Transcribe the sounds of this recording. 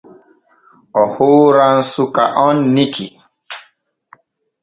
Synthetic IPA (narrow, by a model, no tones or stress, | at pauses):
ɔhoɾãn̩sukaʔɔnːiki